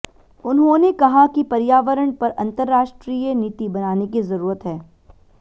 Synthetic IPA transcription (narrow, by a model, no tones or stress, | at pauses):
ʊnɦõnekɐɦakipɐɾjaːʋəɾəɳ̃pɐɾɐ̃nt̪əɾːaːʃʈɾiːjeniːt̪ibɐnaːnek̬izɐɾuːɾət̪ɦɛː